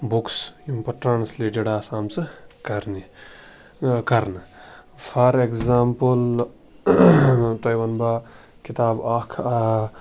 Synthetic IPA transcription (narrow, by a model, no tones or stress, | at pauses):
buksjumpɐʈɾaːnsleːʈeɖaːsaːmsɨkɐɾni | kɐɾnɨpʰaɾekzaːmpəl | tɐjbɐnba | kit̪aːbaːkʰa